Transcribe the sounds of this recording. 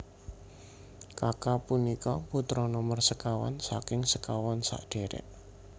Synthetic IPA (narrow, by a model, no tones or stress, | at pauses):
kakapunikɔput̪ɾɔnɔmərsəkawa̰nsa̰kɪŋsəkawɔnsa̰ʔɖ̥e̤ɾɛ̰ʔ